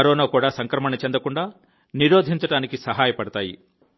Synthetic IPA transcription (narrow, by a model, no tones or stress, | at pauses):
ɐɾɔːnaːkuːɽaːsɐŋkɾɐmɐnɐt͡ʃend̪ɐkuɳɖaː | niɾoːd̪ʱiɲt͡ʃɐɽaːnikisɐɦaːjɐpɐɽɐt̪aːjḭ